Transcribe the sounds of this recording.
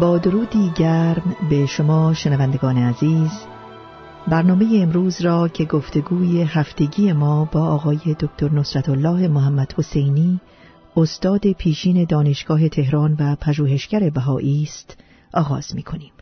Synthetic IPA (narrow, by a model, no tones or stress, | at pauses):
bɒːd̪o̞ɾuːd̪iːɟæɾmbe̞ʃo̞mɒːʃenævænd̪e̞ɡɒːneæziːz | bæɾnɒːme̞jeːmɾuːzɾɒːcʰe̞ɡo̞ft̪e̞ɡuːje̞ɦæft̪e̞ɟiːe̞mɒːbɒːɒːɣɒːje̞d̪okʰt̪ʰoɾno̞sɾæt̪ʰolːɒːɦe̞moɦæmːæd̪̥ho̞se̞jniː | ost̪ɒːd̪e̞pʰiːʃiːne̞d̪ɒːne̞ʃɡ̥ɒːɦe̞t̪ʰe̞ɦɾɒːnvæpʰæʒuːɦe̞ʃɟæɾe̞bæɦɒːʔiːst̪ | ʔɒːɣɒ̰ːz̥miːkʰo̞niːm